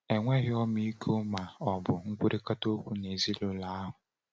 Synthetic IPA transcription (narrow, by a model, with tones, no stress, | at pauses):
e˨ŋʷe˦ɣɪ˦ɔ˦m˦i˦i˦kʰo˦ma˨ɔ˨bʊ˨ŋ̩˦kʷu˦ɾʔi˦ka˦to˦kʷu˦ne˨zi˦lo˦la˨˦a˦ɦʊ˨